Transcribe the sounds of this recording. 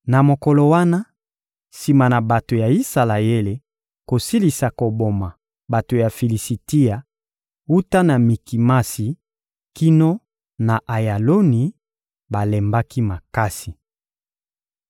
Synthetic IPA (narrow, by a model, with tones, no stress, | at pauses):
na˨mo˨kɔ˨lo˨wa˦na˦ | si˨ma˨na˨ba˨to˨ja˨i˦sa˨la˨je˦le˨ | ko˨si˦li˨sa˨ko˨bo˨ma˨ | ba˨to˨ja˨fi˨li˨si˨ti˦a˨ | u˦ta˦na˨mi˨ki˨ma˦si˨ | ki˦no˦ | na˨ʔa˨ja˨lo˦ni˨ | ba˨lɛ˨mba˦ki˦ma˨ka˦si˨